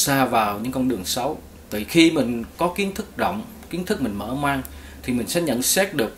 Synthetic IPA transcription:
saː˧vaː˨˩wɲɨ̰˧˥ŋkɔ˧wnɗɨ˨˩əŋsə˨˦w | t̪ɨ̰˧˨˩xi˧mï˨˩ŋ̟kɔ˨˦ki˨˦ənt̪ʰɨ˦˥k̚zɔ̰˧˨wŋ͡m | ki˨˦ənt̪ʰɨ˦˥k̚mï˨˩ŋ̟mə̰ː˧˩maː˧ŋ | t̪ʰi˨˩mï˨˩ŋ̟sɛ̰˧˥ɲə̰˧˥˨nsɛː˦˥t̚ɗɨ˨˩ək̚

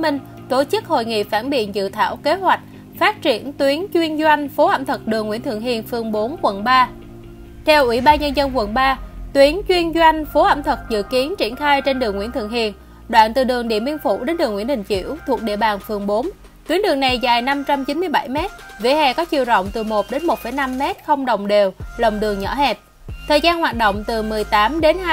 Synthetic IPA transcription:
mï˧ŋ̟ | t̪o˧˩t͡ɕɨ˦˥k̚ho̰˧˨jŋḭ˧˨faː˧˩nɓḭ˧˨ənzɨ̰˧˨t̪ʰa̰ː˧˩wke˨˦hwa˨˩jk̟̚ | faː˦˥t̚t͡ɕi˧˩ənt̪wi˨˦ənt͡ɕwi˧ənzwa˧jŋ̟fo˨˦ʔə̰˧˩mt̪ʰə˨˩k̚ɗɨ˨˩əŋːwi˧˥ənt̪ʰɨ˧˨ŋhi˨˩ənfɨ˨˩əŋɓo˨˦nkwə˨˩nɓaː˧ | t̪ʰɛ˧wʔwi˧˩ɓaː˧nɲə˧nzə˧nkwə˨˩nɓaː˧t̪wi˨˦ənt͡ɕwi˧ənzwa˧jŋ̟fo˨˦ʔə̰˧˩mt̪ʰə˨˩k̚zɨ̰˧˨ki˨˦ənt͡ɕi˧˩ənxaː˧jt͡ɕe˧nɗɨ˨˩əŋwḭ˧˥nt̪ʰɨ̰˧˨əŋɦi˨˩ən | ɗwa̰ː˧˨nt̪ɨ˨˩ɗɨ˨˩əŋɗḭ˧˨əmi˧ŋfṵ˧˩˥ɗe˨˦nɗɨ˨˩ŋwḭ˧˩ənɗï˨˩ŋt͡ɕḭ˧˩˥əwt̪ʰu˨˩ək̚ɗḭ˧˨əɓaː˨˩nfɨ˨˩əŋɓo˨˦n | t̪wi˨˦ənɗɨ˨˩əŋna˨˩jzaː˨˩jna˧mt͡ɕa˧mt͡ɕi˨˦nmɨ˧əjɓa˧˩jmɛ˦˥t̚vḭ˧˩hɛ˧˨˩kɔ˨˦t͡ɕi˨˩əwzə̰˧˨wŋ͡mt̪ɨ˨˩mo˨˩t̚ɗe˨˦nmo˨˩t̚fə˧˩jna˧mːɛ˦˥t̚xə˧wŋ͡mɗə̰˧˨wŋ͡mɗe˨˩wlə˨˩wŋ͡mɗɨ˨˩əŋɲɔ̰˧˥hɛ˨˩p̚ | t̪ʰəː˨˩jzaː˧nhwaː˨˩t̚ɗo̰˧˨wŋ͡mt̪ɨ˨˩mɨ˨˩əjt̪aː˨˦mɗe˨˦nː˧

